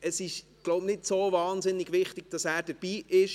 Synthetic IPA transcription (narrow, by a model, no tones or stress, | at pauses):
əsɪʃɡ̥loʊbnɪtsoːvɑːnzɪnːɪɡʋɪχtɪɡ̥̚d̥ɑsæːɾd̥əb̥iːʔɪʃ